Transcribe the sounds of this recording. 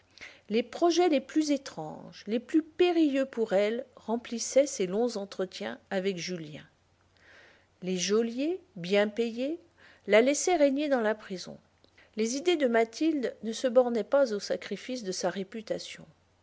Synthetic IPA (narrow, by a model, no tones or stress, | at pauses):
lepχɔʒɛleplyzet̪χɑ̰̃ʒleplypeʁijøpuʁɛlʁɑ̃plisɛselɔ̃zɑ̃t̪χət̪jɛ̃avɛkʒyljɛ̰̃ | leʒɔljebjɛ̃peje | lalɛsɛʁeɲed̪ɑ̃lapχizɔ̰̃ | lezid̪ed̪əmat̪ʰild̪nəsəbɔʁnɛpazosakχifisd̪əsaʁepyt̪asjɔ̰̃